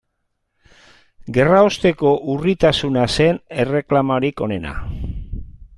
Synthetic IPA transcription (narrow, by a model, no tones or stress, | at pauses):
ɡe̞raost̪e̞ko̞ʔurit̪asunase̞ne̞re̞klamaɾiko̞ne̞na̰